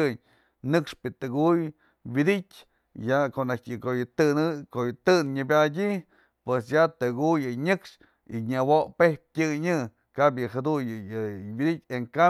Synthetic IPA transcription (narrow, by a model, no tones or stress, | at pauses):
ɨɲ | nɨkʂpɨt̪ɨɡuj | wid̪itʲ | jakoʔnakʲjɨkojɨt̪ɨnɨkojɨt̪ɨnɲɨbʲadʲi | pwesjat̪ɨɡujɨɲɨkʂ | ḭɲawoʔpehp̚ʲtʲɨɲɨ | kabjɨhad̪ujɨjɨwid̪itʲeŋka